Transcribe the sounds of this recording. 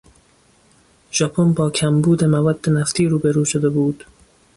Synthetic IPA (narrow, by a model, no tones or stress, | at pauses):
ʒɒpʰonbɒːkʰæmbuːd̪emævɒd̪̥ːenæft̪ʰiːɾuːbeɾuːʃod̪ebuːd̪̥